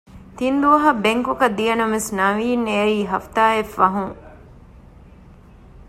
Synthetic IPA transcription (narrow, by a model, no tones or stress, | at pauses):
t̪ind̪uʋɐɦɐbeŋkukɐd̪ijɐnɐmesnɐʋiːnːeɐiːɦɐft̪aːefːɐɦuŋ